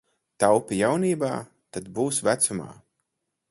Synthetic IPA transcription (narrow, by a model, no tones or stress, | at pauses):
t̪awpʲijawniːbaː | t̪ad̪buːsvæt̪suma̰ː